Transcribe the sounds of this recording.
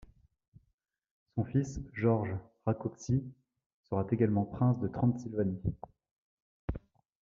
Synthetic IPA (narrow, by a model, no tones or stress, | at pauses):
sɔ̃fisʒɔʁʒʁakupsi | səʁat̪eɡalmɑ̃pχɛ̃sd̪ət̪χɑ̃t̪silvani